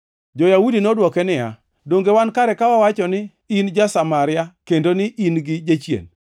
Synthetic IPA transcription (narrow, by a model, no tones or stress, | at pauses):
d͡ʒɔjaudinɔdwɔkɛnɪja̰ | doŋɡewankaɾɛkawawat͡ʃɔnɪ | ind͡ʒasamaɾɪjakendonɪʔinɡɪd͡ʒat͡ʃjḛn